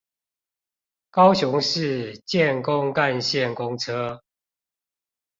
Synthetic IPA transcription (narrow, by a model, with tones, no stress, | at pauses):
kɑ˦ʊɕʊ˧˦ŋʂɻ̩˥˨t͡ɕjɛ˥˨nkʊ˦ŋka˥˧nɕjɛ˥˨nkʊ˦ŋʈ͡ʂʰɤ˦